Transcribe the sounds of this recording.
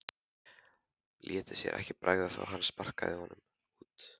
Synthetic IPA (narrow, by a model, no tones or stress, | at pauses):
lʔjɛːt̪ɪsjɛ̰ɾʔɛ̰hcɪpɾʔaːjɣðaθa̰wɦanːspar̥kaðɪhɔnʏm | uːt̪